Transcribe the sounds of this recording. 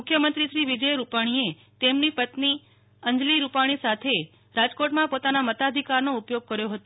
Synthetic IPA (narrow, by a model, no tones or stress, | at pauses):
mʊkʰjəmənt̪ɾiʃɾiʋid͡ʒəjɾupaɽ̃ie | t̪emnipət̪ni | əɲd͡ʒliɾupaɽ̃isat̪ʰe | ɾad͡ʒkoʈmãpot̪anamət̪ad̪ʱikaɾnoupjoɡ̚kəɾjoɦət̪o